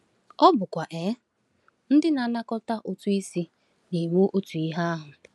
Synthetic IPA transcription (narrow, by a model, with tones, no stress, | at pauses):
ɔ˦bʊ˨kʷa˨ʔe˨˦ | n̩˦dɪ˦na˨na˦kɔ˦ta˦ʔo˨tu˦i˦si˦ | ni˨wo˦ʔo˦tu˨i˦ɦa˦ɦʊ˨